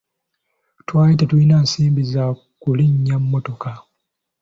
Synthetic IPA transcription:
twaːjitatulinaːsiːmbiza | kuliɲːamːoto̞ka

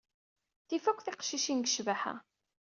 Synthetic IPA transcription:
θifækʷːθiqʃiʃinɡəʃvaħa̰

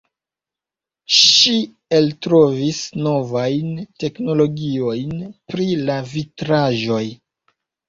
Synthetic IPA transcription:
ʃi | eltɾo̞visno̞vajnte̞kno̞lo̞ɡio̞jnpɾilavitɾaʒo̞j

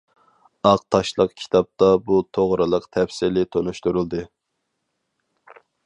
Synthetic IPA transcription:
ɑqt̪ʰɑʃlˠəqkʲʰi̥t̪ʰɑp̚t̪ɑbut̪ʰoʁɾɨlˠəqt̪ʰɛfsɪlɪt̪ʰonuʃt̪uɾulˠd̪ɨ

